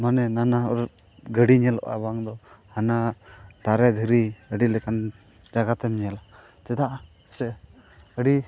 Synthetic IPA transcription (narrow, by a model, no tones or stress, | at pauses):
manɛnanaɔɾ | ɡəɽiɲɛlɔ̰ʔa̰baŋd̪ɔhanat̪aɾɛd̪ʱiɾiəɖilɛkan | d͡ʒaɡat̪ɛmɲɛla | t͡ʃɛd̪aʔ | sɛ | əɖi